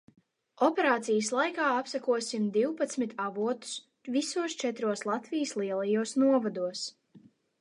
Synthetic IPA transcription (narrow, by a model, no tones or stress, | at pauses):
ɔpɛɾaːt̪sijəslˠajkaːapsakuɔsimd̪iwpat̪smit̪ʰavuɔt̪u̥s | visuɔst͡ʃɛt̪ɾuɔslˠat̪vijəslˠiɛlˠajuɔsnuɔvad̪uɔs